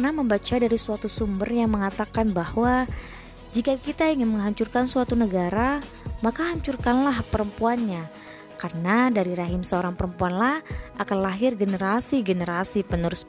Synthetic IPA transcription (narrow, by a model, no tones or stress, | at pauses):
knaməmbat͡ʃadaɾisuat̪usumbərjaŋməŋat̪akanbahwa | d͡ʒikakit̪aiŋɪnməŋɦaɲt͡ʃurkansuat̪unəɡaɾa | makaɦaɲt͡ʃurkanlahpəɾəmpuanɲa | karənadaɾiɾaɦɪmsəoɾaŋpəɾəmpuanlahʔakanlaɦɪrɡənəɾasiɡənəɾasipənuɾʊs